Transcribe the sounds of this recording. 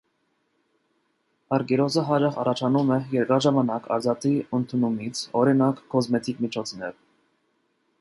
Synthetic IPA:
ɑɾɡɛɾɔzəɦɑd͡ʒɑχɑ̰rɑt͡ʃʰɑnumɛjɛɾkɑʒɑmɑnɑkʰɑ̰ɾzɑt̪iənt̪ʰunumit͡sʰɔɾinɑkːɔzmɛt̪ʰikmit͡ʃʰɔt͡sʰnɛɾ

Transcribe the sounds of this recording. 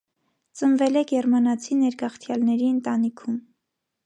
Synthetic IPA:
t͡sənvɛlɛkjɛrmɑnɑt͡sʰinɛɾɡɑχt̪ʰjɑlnɛɾiənt̪ɑnikʰum

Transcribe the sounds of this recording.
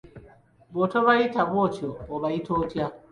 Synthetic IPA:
βotoβaitaβwot͡ʃoːβaitʰoːtja

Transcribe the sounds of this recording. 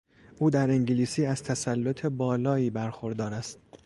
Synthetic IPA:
ʔuːd̪æɾeŋɟeliːsiːæz̥t̪ʰæsælːo̞t̪ʰe̞bɒːlɒːiːbæɾxo̞ɾd̪ɒːɾæst̪

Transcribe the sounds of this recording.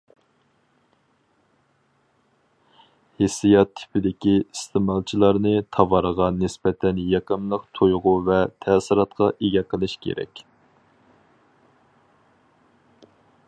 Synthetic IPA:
hesijɑt̪ʰːɪ̥pʰɪd̪ɪkʲiist̪ʰemɑlˠt͡ʃʰilˠɑɾnɨt̪ʰɑvɑɾəʁɑnɨsbɛt̪ʰɛnjɑqəmlˠəqt̪ʰojʁʊvɛt̪ʰɛsɪɾɑt̪qʰɑʔeɡʲɛqʰəlˠɨʃkʲʰḛɾɛ̰kʲ

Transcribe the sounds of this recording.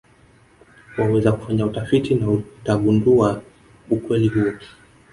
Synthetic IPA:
wawɛzaku̥faɲautafitʰinautaɓundua | ukwɛliɦuɔ

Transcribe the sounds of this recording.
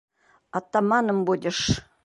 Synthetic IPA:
ɑt̪ːɑmɑnɤmbud̪ʲɪʂ

